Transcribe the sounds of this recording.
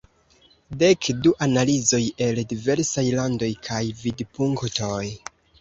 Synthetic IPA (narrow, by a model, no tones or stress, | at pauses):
de̞kduʔanalizo̞je̞ldive̞ɾsajlando̞jkʰajvidpuŋkto̞j